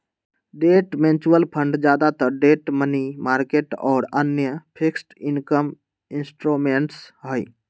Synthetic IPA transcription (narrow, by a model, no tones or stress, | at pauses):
ɖeʈment͡ʃuwəlpʰəɳɖd͡ʒaːd̪at̪əɖeʈmənimaːɾkeʈɔːɾənjəpʰiksʈinkəm | insʈɾumeɳʈsɦəj